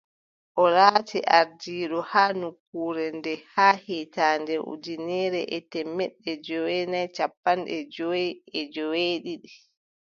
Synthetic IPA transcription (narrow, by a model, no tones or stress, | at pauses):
ʔɔɾaːtʰɛʔaɾdiːɗɔhaːnukːuːɾɛndɛhaːhɛtaːndɛʔṵdinɛːɾɛʔɛtɛmːɛɗːɛd͡ʒɔwɛnajt͡ʃapːanɗɛd͡ʒɔjɛd͡ʒɔweːɗiɗi